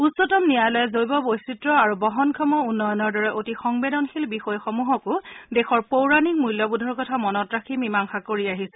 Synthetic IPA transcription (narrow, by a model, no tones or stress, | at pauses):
utsɔtɔmnijajlɔjɛzojbɔbojsitɹɔaɹubɔɦɔnkʰɔmɔunːɔjɔnɔɹdɔɹɛʔotixɔŋbedɔnxʰilbixɔjxɔmuɦɔkʊdɛxɔɹpowɹanik̚mujlːɔbudʱɔɹkɔtʰamɔnɔtɹakʰimimaŋxakoɹiaɦisɛ̥